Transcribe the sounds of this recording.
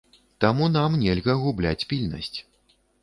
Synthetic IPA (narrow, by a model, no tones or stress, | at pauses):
t̪amunamnʲɛlʲɣɐɣublʲa̰t͡sʲpʲilʲnɐ̰sʲt͡sʲ